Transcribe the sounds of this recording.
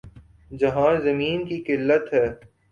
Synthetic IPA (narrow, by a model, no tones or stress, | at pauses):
d͡ʒɐɦãːzɐmiːnkikɪlːət̪ɦɛː